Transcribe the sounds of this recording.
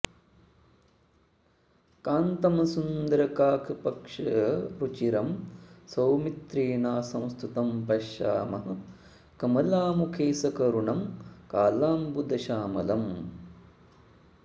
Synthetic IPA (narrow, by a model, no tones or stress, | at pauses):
kaːnt̪ɐmɐsund̪ɐɾɐkaːkʰɐpɐkʂɐɾut͡ʃiɾɐmsɐwmit̪ɾeːnaːsɐ̃w̃st̪ʰut̪ɐmpɐʃa̰ːmɐɦɐ | kɐmɐlaːmukʰeːsɐkɐɾuɳɐmkaːlaːmbud̪ɐʃaːmɐlɐm